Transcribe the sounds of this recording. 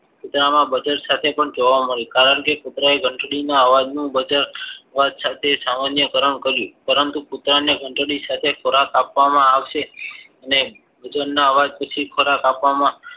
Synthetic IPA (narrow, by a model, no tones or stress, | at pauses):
pʊt̪ɾamãbəd͡ʒəɾsat̪ʰepəɳd͡ʒoʋaməɭjikaɾəɳkekʊt̪ɾaeɡʱəɳʈɽinaəʋad͡ʒnũbəd͡ʒəɾʋad̪sat̪ʰesamanjəkəɾəɳkəɾjũpəɾənt̪ukut̪ɾaneɡʱəɳʈɽisat̪ʰekʰoɾakapʋamãaʋʃe | əne | bəd͡ʒəɾnaəʋad͡ʒpət͡ʃʰikʰoɾakapʋamã